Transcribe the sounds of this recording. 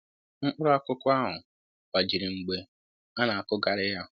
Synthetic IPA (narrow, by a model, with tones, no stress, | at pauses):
ŋ̩˦k͡pʊ˦ɾʊ˦a˦kʊ˦kʊ˦a˦ɦʊ˨ | wa˨d͡ʒi˨ɾi˨ŋ͡m̩˨ɡ͡be˦ | a˦na˨a˨kʊ˦ɡa˨ɾɪ˦ja˦